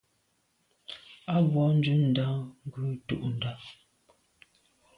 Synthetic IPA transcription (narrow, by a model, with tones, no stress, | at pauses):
a˦vwɔ˨˦n̩˦dʉ˦n̩˨da˦ŋ˦ɡʉ˦tṵ˦˨ʔn̩˨da˦